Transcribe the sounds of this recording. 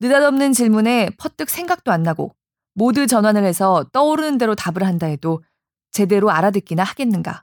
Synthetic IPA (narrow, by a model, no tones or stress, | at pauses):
nɯdadʌmnɯnt͡ɕiɭmune̞pʰʌt͈ɯk̚s͈ʰe̞ŋɡak̚t͈oanːaɡo̰ | modɯt͡ɕʌnɦwanɯɭhe̞sʰʌt͈ʌuɾɯnɯnde̞ɾotabɯɭɦandae̞do | t͡ɕe̞de̞ɾoaɾadwek͈inahaɡe̞nːɯnɡa̰